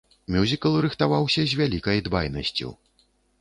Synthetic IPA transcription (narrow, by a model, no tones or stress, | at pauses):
mʲuzʲikɐlˠɾɨxt̪avawsʲɐzʲvʲalʲikɐjd̪bajnɐ̰sʲt͡sʲṵ